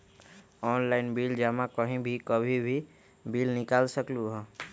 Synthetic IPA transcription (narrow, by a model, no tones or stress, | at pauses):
ɔːnlaːɪnbiːld͡ʒaːmãkəɦĩbʱikəbʱibʱi | biːlnɪkaːlsəkluɦɛ̃ː